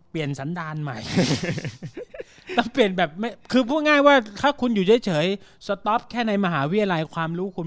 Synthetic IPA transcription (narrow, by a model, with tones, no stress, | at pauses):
pli˨˩ənsa˩˦ndaː˧nma˨˩j | t̪ɔ˥˩ŋpli˨˩ənbɛː˨˩p̚ma˥˩jkʰɯː˧pʰuː˥˩ŋaː˥˩jwaː˥˩t̪ʰaː˥˩kʰu˧njuː˨˩t͡ɕʰa˦˥˩jt͡ɕʰɤː˩˦jsa˧t̪ɔː˦˥p̚kʰɛː˥˩na˧jma˧ɦaː˩˦wi˦˥jla˧jkʰwaː˧mɾuː˦˥kʰu˧n